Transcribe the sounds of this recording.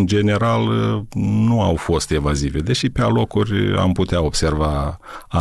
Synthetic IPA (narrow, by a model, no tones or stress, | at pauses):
nd͡ʒe̞ne̞ɾal | nuawfo̞st̪e̞vazive̞d̪e̞ʃipealo̞kurʲa̰mput̪eao̞b̥se̞rvaa